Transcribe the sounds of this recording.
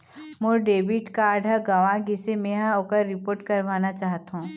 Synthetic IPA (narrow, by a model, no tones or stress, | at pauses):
moɖeːbɪʈkaːɾɖəɡaʋãɡisemẽɦãokəɾːɪpoːɾʈkɐɾʋaːnat͡ʃaːɦt̪ɦũː